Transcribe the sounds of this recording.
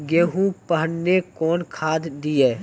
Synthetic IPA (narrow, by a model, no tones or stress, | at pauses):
ɡeːɦũpəɦənnekɔːnkʰaːd̪d̪ieː